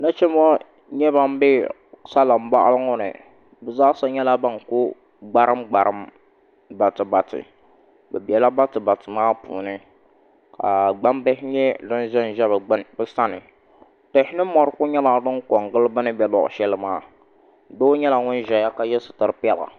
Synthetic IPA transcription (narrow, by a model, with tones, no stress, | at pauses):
na˦t͡ʃɛ˦mɔ˦ | ɲɛ˦βa˦m˦be˦ | sa˦la˨mba˦ʔlŋɔ˦nɨ̰˨ | bɨ˨zaː˦sa˦ɲɛ˦la˦ba˦ŋkʊ˦ | ɡ͡ba˦ɾɨ˦mɡ͡ba˨ɾɨ˦m | ba˨tɨ˨ba˨tɨ̰˨ | bɛ˨bi˨ɛ˨la˦ba˦tɨ˨ba˨tɨ˨maː˦pṵː˨nɨ˦ | ka̰˨ɡ͡ba˦mbɛ˦hɪ˦ɲɛ˦dɨ˦n˦ʒɛ˦n˨ʒɛ˦bbɨ˦sa˦nɨ˨ | to˨hɪ˦nɨ˦mɔ˨ɾɨ˦kʊ˦ɲɛ˦la˨dɨ˦ŋkɔ˨ŋɡɨ˦lɨ˦bɨ˦nɨ˦bɛ˨lɔ̰˨ʔʃɛ˦lɨ˦maː˦ | do˦ɲɛ˦la˨ŋʊ˦n˦ʒɛ˨ja˦ka˦jɛ˦sɨ˨tɨ˨˦ɨ˦pɛ˦la̰˨